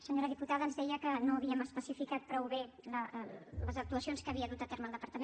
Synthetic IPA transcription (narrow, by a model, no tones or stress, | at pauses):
səɲoɾəðiput̪aðəːnzðɛjəkənoəβiəməspəsifikat̪̚pɾɔwβelələzək̚t̪uəsionskəːβiəðut̪ət̪eɾməːlˠd̪əpəɾt̪əme